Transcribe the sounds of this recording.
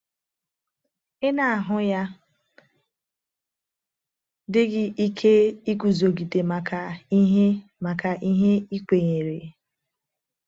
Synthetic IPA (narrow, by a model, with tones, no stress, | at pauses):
ɪ˦na˨a˨ɦʊ˦ja˦ | dɪ˦ɡɪ˦ʔi˦kʰe˦i˦ku˨zo˨ɡi˨de˨ma˨kʰa˨i˦ɦe˦ma˨ka˨ʔi˦ɦe˦i˦kʷe˨ɲe˨ɾe˨